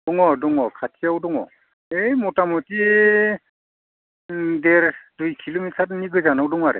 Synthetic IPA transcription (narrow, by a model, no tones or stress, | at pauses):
dɔŋɔdɔŋɔkʰatʰijawdɔŋɔ̰ | ejmɔtamuti | dɛɾdujkʰilomitʰatniɡɯjzanawdɔŋaɾɛ̰